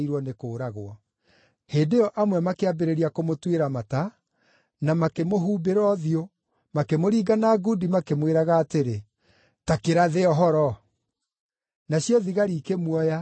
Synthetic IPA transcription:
iɾwɔnekoːɾaɣowɔ | heːdeɔʔamwɛmakeabeɾeɾiakomotweɾamata | namakemoɦuːbeɾɔðio | makemoɾiːɡanaɡudimakemweɾaɣaːteɾe | takeɾaðeɔɦɔɾɔ | naɕjɔðiɣaɾiːkemwɔja

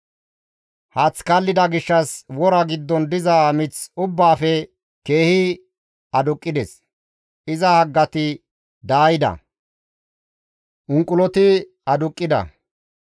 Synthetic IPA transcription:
hɐt͡skɐlːɪd̪ɐɡɪʃːɐswɔɾɐɡɪd̪ːɔnd̪ɪzamɪt͡sʊbːaːfɛ | ke̞ːhɪ | ɐd̪ʊkʼːɪd̪ɛs | ɪzɐhɐɡːɐt̪ɪ | d̪aːjɪd̪ɐ̰ | ʔʊŋkʼːʊlɔt̪ɪ | ɐd̪ʊkʼːɪd̪ɐ̰

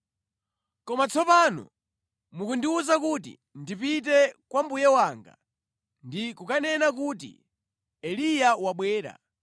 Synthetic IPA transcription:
kɔmat͡sɔpanɔ̰ | mukundiuzakutḭ | ndipit̬ɛkwambujɛwaːŋɡa̰ | ndikukanɛnak̬uːtḭ | ɛlijawaɓwɛːɾa̰

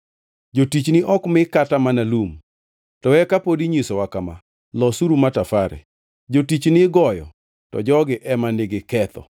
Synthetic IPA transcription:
d͡ʒotit͡ʃnɪʔɔkmɪkatamanalum | tɔɛkapodiɲisɔwakama̰ | lɔsuɾumatafaɾɛ̰ | d͡ʒotit͡ʃnɪɡɔjɔ̰ | tɔ̰d͡ʒɔɡɪʔɛmaneɡekɛt̪ɔ̰

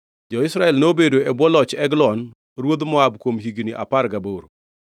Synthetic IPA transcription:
d͡ʒɔɪsɾaɛlnobedoɛbwɔlɔt͡ʃɛɡlɔn | ɾwod̪mɔabkwomɦiɡniʔa̰paɾɡaboɾo

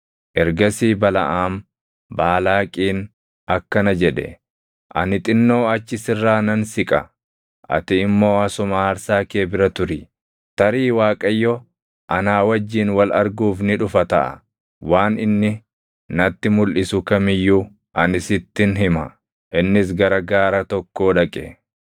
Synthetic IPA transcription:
ʔɛɾɡɐsiːbɐlɐ̰ʔaːm | baːlaːkʼiːn | ɐkːɐnɐd͡ʒɛᶑɛ̰ | ʔɐ̰nɪt̪ʼɪnːo̞ːɐt͡ʃːɪsɪrːaːnɐnsɪkʼɐ | ʔɐ̰t̪ɪːmːo̞ːɐsʊmaɐɾsaːke̞ːbɪɾɐt̪ʊɾɪ | t̪ɐɾiːwaːkʼɐjːɔ | ʔɐnaːwɐd͡ʒːiːnwɐlɐɾɡuːfnɪᶑʊfɐt̪ɐʔɐ̰ | waːnɪnːɪ | nɐt̪ːɪmʊlʔɪsʊkɐmɪjːuː | ʔɐnɪsɪt̪ːɪnɦɪmɐ̰ | ʔɪnːɪs̬ɡɐɾɐɡaːɾɐt̪ɔkːo̞ːᶑɐkʼɛ

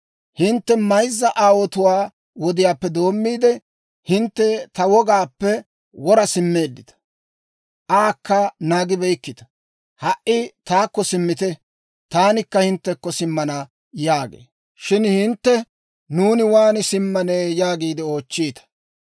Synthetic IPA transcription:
hɪnt̪ːɛmɐjzːɐʔaːwɔt̪ʊwaː | wɔd̪ɪjaːpːɛd̪o̞ːmːiːd̪ɛ | hɪnt̪ːɛt̪ɐwɔɡaːpːɛ | wɔɾɐsɪmːeːd̪ːɪt̪ɐ̥ | ʔaːkːɐnaːɡɪbɛjkːɪt̪ɐ̥ | hɐʔɪt̪aːkːɔsɪmːɪt̪ɛ | t̪aːnɪkːɐhɪnt̪ːɛkːɔsɪmːɐnɐ | jaːɡḛː | ʃɪnhɪnt̪ːɛ | nuːnɪwaːnɪsɪmːɐneːjaːɡiːd̪ɪo̞ːt͡ʃːiːt̪ɐ̥

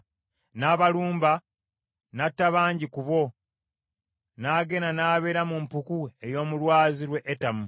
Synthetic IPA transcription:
naːβaluːmba | natːaβaːɲɟikuβo̞ | naːɡe̞nanaːβe̞ːɾamumpukuejo̞ːmulwaːziɾwe̞ʔːtamu

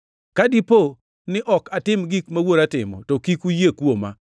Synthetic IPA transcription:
kadipo | nɪʔɔkatɪmɡikmawoɾatɪ̰mɔ̰tɔkikujekwoma̰

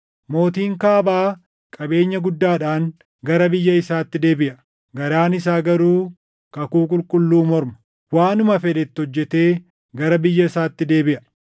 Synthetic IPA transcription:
mo̞ːt̪iːŋkaːbaː | kʼɐbe̞ːɲːɐɡʊd̪ːaːᶑaːŋ | ɡɐɾɐbɪjːɐɪsaːt̪ːɪd̪e̞ːbɪʔɐ | ɡɐɾaːnɪs̬aːɡɐɾuː | kɐkuːkʼʊlkʼʊlːuːmɔɾmɐ̥ | waːnʊmɐfɛᶑ̪ɛt̪ːɪhɔd͡ʒːɛt̪e̞ː | ɡɐɾɐbɪjːɐɪsaːt̪ːɪd̪e̞ːbɪʔɐ

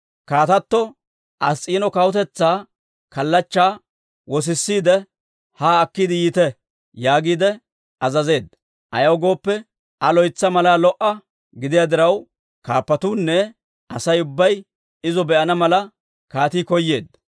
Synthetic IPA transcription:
kaːt̪ɐt̪ːɔ | ʔɐsʼiːnɔkɐwʊt̪ɛt͡sːaː | kɐlːɐt͡ʃːaː | wɔs̬ɪsːiːd̪ɛ | haːɐkːɪd̪ɪjiːt̪ɛ | jaːɡiːd̪ɛ | ɐzɐze̞ːd̪ːɐ | ʔɐ̰jɐwɡo̞ːpːɛ | ɐlɔjt͡sːɐmɐlaːlɔʔɐ | ɡɪd̪ɪjad̪ɪɾɐw | kaːpːɐt̪uːnːɛ | ʔɐsɐjʊbːɐj | ɪzɔbɛʔɐnɐmɐlɐ | kaːt̪iːkɔjːe̞ːd̪ɐ

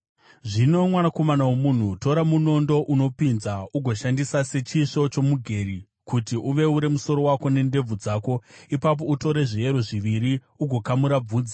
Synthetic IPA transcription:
ʐino̞mwanako̞manawomun̤uto̞ɾamuno̞ndo̞ʔuno̞pinzauɡʱo̞ʃandisase̞t͡ʃiʂo̞t͡ʃo̞muɡʱe̞ɾi | kutiʔuʋe̞uɾe̞muso̞ɾo̞wako̞ne̞nde̞b͡vud͡zaːko̞ipap̬o̞uto̞ɾe̞ʐie̞ɾo̞ʐiʋiɾi | uɡʱo̞kamuɾab͡vuːd͡zi

